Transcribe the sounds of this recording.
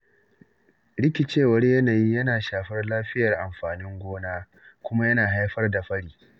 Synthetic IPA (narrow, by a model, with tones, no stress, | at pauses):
ɽɪ˦kʲi˨t͡ʃeː˦˨wɐ˦rjɐ˦naː˨ji˦jɐ˦naː˨ʃaː˨ɸɐ˦rlaː˦ɸɪ˦jɐ˨rʔa˨mɸaː˨nɪ˦ŋɡʷoː˦naː˦ | kʷʊ˦ma˦jɐ˦naː˨ɦa˦jɸɐ˦rda˨ɸɐ˦ɽiː˨